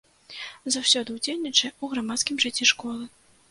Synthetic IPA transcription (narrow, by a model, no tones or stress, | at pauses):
zawsʲɔd̪ɨwd͡zʲelʲnʲit͡ʂɐuɣɾamat̪skʲimʐɨt͡sʲːiʂkɔlˠɨ